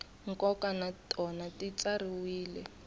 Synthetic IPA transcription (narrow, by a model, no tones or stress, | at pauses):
ŋ̩kɔkanatɔnatit͡sariwiːlɛ